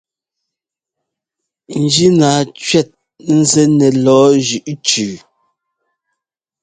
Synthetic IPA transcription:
n̩˨d͡ʒi˦naː˨˦t͡ʃɥɛ˦˨t̚ | n̩˦zɛ˦nɛ˨lɔː˨˦ʒʉ˨ʔt͡ʃʉː˨

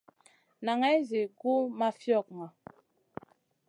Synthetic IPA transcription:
na˨ŋɛ˦zi˨ku˦ma˦fjɔ˦˨k̚ma˨

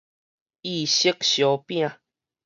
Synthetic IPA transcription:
i˧˨ɕi˦k̚ɕjo˨˦pj̃ã˨

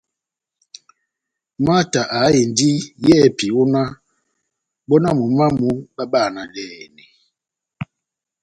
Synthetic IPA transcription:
ma˦ta˨ʔa˨˦e˨n˨di˦jɛ˦˨pi˨o˦na˦ | bɔ˦na˦mu˨ma˦mu˨˦ba˦ba˦˨na˨lɛː˦˨nɛ˨

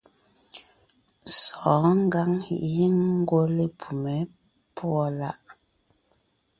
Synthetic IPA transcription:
sɔ˨˦ŋ̩˦ɡa˦ŋḭ˨ʔji˦ŋ̩˦ɡo˦le˦pʰu˨mɛ˨˦ | pwɔ˦la˦ʔ

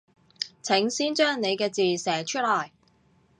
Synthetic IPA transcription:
t͡sʰɪ˨˥ŋsiː˥nt͡ʃœː˥ŋne˨˧jkɛː˧t͡siː˨sɛː˨˩t͡ʃʰɵ˥t̚lɔː˨˩j

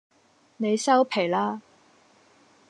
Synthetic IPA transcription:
ne˨˧jsɐ˥wpʰe˨˩jlaː˥

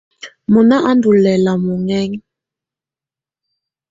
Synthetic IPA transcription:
mu˨na˦ʔa˦ndu˨lɛ˨la˨mu˨ŋɛ˦ŋ

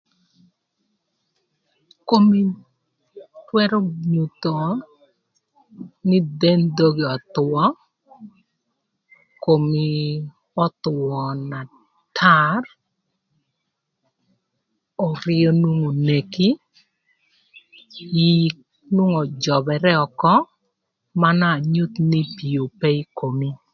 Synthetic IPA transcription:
ko˦mi˦ | twɛ˦ɾɔ˦ɲu˨t̪o˨ | nɪ˦d̪e˦nd̪o˦ɡi˨ɔ˨t̪wɔ˦ | ko˨mi˦ | ɔ˦t̪wɔ˨na˨ | tʰa˦r | ɔ˨ɾɪ˦ɔ˦nu˦ŋo˨ne˨ki˦ | ik | nu˦ŋɔ˨d͡ʒɔ˨bɛ˨ɾɛ˦ɔ˨kɔ˦ | ma˦na˦˨ɲu˦t̪ni˦pi˨o˨pe˦i˦ko˨mi˦

